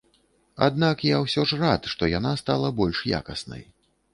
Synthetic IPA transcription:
a̰d̪nakjawsʲɔʐrat̪ʂt̪ɔjanast̪alˠɐbɔlʲʂja̰kɐsnɐ̰j

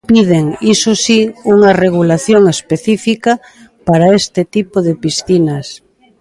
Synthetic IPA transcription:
piðeŋisosiuŋɐreɣ̞ulaθjoŋespeθifika | paɾaest̪ɪt̪ipoðepisθinɐs

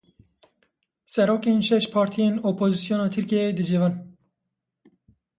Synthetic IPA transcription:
sɛɾoːkeːnʃɛʃpʰɑːɾt̪ʰijeːnoːpʰoːzisijoːnɑːt̪ʰɨɾkeːd̪ɨd͡ʒivɑːn

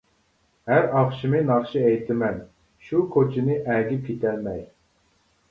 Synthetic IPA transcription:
hæɾɑχʃimɨnɑχʃiɛjt̪ʰɪmɛn | ʃukʰot͡ʃʰɪnɪʔɛɡʲip̚kʲʰet̪ʰɛlmɛj

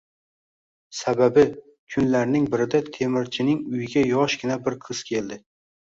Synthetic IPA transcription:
sababɪ | kʰʊnlaɾnɪŋbɪɾɪd̪at̪ʰe̞mɪɾt͡ʃʰɪnɪŋʊjɪɡʲajɒʃɡʲɪnabɪɾqʰɨz̥kʲʰe̞ld̪ɪ

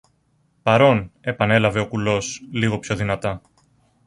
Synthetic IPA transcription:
pɐɾo̞ne̞pɐne̞lɐve̞o̞kulo̞sliɣo̞pço̞ðinɐt̪ɐ

